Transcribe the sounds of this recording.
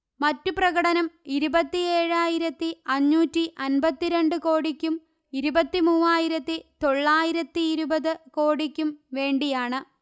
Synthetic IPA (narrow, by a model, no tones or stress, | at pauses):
mɐtːuprɐɣɐɽɐnɐmiɾubɐt̪ːie̞ːɻaːjiɾɐt̪ːiɐɲːuːtːiʔɐnbɐt̪ːiɾe̞ɳɖɨko̞ːɽikʲːum | iɾubɐt̪ːimuːaːjiɾɐt̪ːit̪o̞ɭːaːjiɾɐt̪ːiːɾubɐðɨko̞ːɽikʲːumʋe̞ːɳɖijaːɳɨ